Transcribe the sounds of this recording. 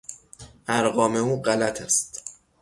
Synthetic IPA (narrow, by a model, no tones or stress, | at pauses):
ʔæɾɢɒːme̞uːɢælæt̪ʰæst̪